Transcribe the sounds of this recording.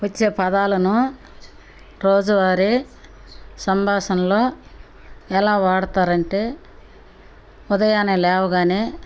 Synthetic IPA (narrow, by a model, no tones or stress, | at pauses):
ʋɐt͡ʃːeːpɐd̪aːlɐnu | ɾoːd͡ʒɐʋaːɾi | sɐmbʱaːʃɐnloː | ɛlaːʋaːɽɐt̪aːɾɐɳʈe̞ː | ud̪ɐjaːnelɛːʋɐɡaːneː